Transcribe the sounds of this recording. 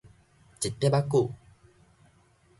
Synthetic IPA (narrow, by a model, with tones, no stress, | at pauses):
t͡ɕi˨˩t̪ːe˦ba˦kːu˥˨